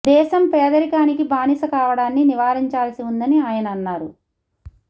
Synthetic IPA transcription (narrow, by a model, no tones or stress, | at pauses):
d̪ɛːʃɐmpɛːd̪ɐɾikaːnikibaːnisɐkaːʋɐɽaːnːiniʋaːɾiɲt͡ʃaːlɐsiund̪ɐniaːjɐnɐːnːaːɾu